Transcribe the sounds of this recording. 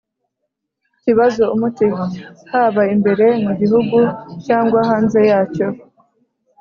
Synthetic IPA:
ciβazoumutihahaːβaimbe̞ɾe̞muβiɦuɡucaːŋɡwaɦaːnze̞jaːco̞

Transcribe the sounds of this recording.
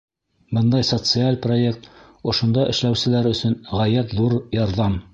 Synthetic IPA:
bɤnd̪ɑjsot̪sɨalʲpro̞e̞k̚t̪ | ŏʃŏnd̪ɑʔɘ̰̆ʃlæwsɘ̆læɾɵ̆sɵnʁæjæt̪ðuɾjɑɾðɑm

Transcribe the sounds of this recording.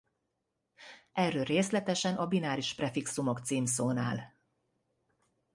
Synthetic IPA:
ʔɛrːøːlreːslɛt̪ɛʃɛnʔɒbinaːɾiʃprɛfiksumo̞kt̪siːmsoːnaːl

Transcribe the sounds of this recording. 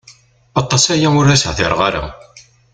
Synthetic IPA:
ɑt̪ˤːɑsæjæmʊɾæsʕθɪ̰ɾˤʁɑɾa̰

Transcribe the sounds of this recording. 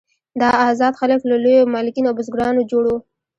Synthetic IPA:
d̪ɑːzɑd̪xaləklalojomɑlɪkinoawbʊzɡɾɑnod͡ʒoɽo

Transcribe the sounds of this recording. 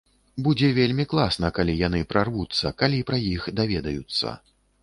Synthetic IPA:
bud͡zʲɛvʲelʲmʲiklˠasn̪ɐkalʲijanɨpɾarvut̪sːɐkalʲipɾɐjixd̪avʲɛd̪ɐjut̪sːɐ̰

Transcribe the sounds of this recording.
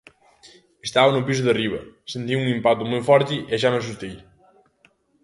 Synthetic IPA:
est̪aβɐnupis̬uðeriβɐ̰sent̪iuŋimpat̪umojfɔɾt̪iaʃ̬anos̬ust̪ej

